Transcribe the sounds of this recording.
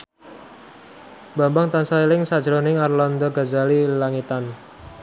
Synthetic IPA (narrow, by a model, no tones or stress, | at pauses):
bambaŋt̪ansailɪŋsad̥d͡ʒɾonɪŋarlɔnd̪ɔɡazalilaŋit̪an